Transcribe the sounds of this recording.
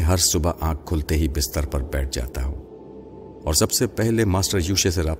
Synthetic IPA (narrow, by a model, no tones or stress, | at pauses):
ɦɐɾsʊbaʔãːk̚ʰːʊːlt̪eɦibɪst̪əɾpɐɾbɛːʈ̚ʰd͡ʒa̰ːt̪aɦõ̰ː | ɔːɾsɐbsepɛɦlemaːsʈəɾjuːʃes̬eɾaː